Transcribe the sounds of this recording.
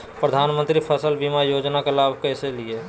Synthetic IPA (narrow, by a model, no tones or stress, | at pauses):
pɾəd̪ʱaːnmə̃nt̪ɾipʰəsəlbimajoːd͡ʒnakelaːbʱkɛːselie